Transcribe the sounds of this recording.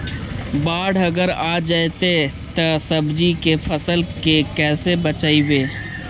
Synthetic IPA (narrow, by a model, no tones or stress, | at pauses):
baːɽɐɡəɾad͡ʒajt̪et̪əsəbd͡ʒikefʰəsəlkekɛːsebət͡ʃaːiweː